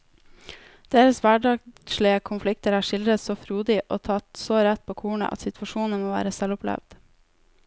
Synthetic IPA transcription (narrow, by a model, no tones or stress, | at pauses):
d̪̥eːɾəsʋæɖɑʃɭɪəkʰʊnflɪk̚t̪əɾæːʃɪld̪ɾət̪soːfɾuːd̪ɪʔo̰ːt̪ʰɑt̪soːɾɛt̪̚pʰoːkʰuːɳə̰ʔɑ̰t̪sɪt̪ʰʋɑʃuːn̩moːʋæ̰ːɾəsɛlʊplɛ̰ʋd̪̥